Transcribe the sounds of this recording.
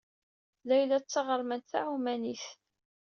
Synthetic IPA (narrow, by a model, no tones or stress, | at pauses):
læjlæt͡sːəʁəɾˤmənt̪θaʕumæniθ